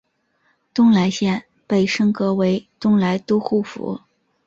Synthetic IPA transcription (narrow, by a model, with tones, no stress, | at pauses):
t̪ʊ˥ŋla˧˥ɪɕjɛ˥˩n | pe˥˩ɪʂɤ˥ŋkɤ˧˥we˧˥ɪt̪ʊ˥ŋla˧˥ɪt̪u˥xu˥˩fṵ˧˥